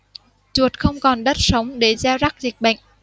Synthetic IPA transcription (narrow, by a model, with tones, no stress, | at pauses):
t͡ɕu˨˩ət̚xə˧wŋ͡mkɔ˨˩nɗə˦˥t̚sə˨˦wŋ͡mɗe˨˩zaː˧wza˦˥k̚zi˨˩k̟̚ɓə̰˧˨jŋ̟ʔ